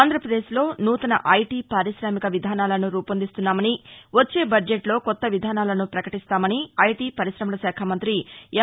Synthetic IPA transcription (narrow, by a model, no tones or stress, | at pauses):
nd̪ʱɾɐpɾɐd̪e̞ːʃlo̞ːnuːt̪ɐnɐ̰ʔɐjʈiːpaːɾiʃɾaːmikɐʋid̪ʱaːnaːlɐnuɾuːpɐnd̪ist̪unːaːmɐniʋɐt͡ʃːe̞ːbɐd͡ʒeʈlo̞ːkɔt̪ːɐʋid̪ʱaːnaːlɐnupɾɐkɐʈist̪aːmɐniɐjʈiːpɐɾiʃɾɐmɐnɐʃaːkʰamɐnt̪ɾi